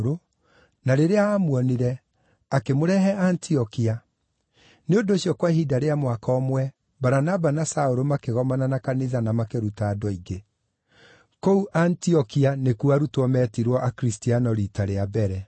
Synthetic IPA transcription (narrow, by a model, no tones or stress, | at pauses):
ɾo | naɾeɾeaːmwɔniɾɛ | akemoɾɛɦɛʔantʰiɔkia | neondoːɕiɔkwahidaɾeamwakɔːmwɛ | baɾanabanasaoɾomakeɣɔmananakaniðanamakeɾutadwɔiɡe | kouʔantiɔkianekuaɾutwɔmɛtiɾwɔʔakɾistianɔɾitaɾeabɛɾɛ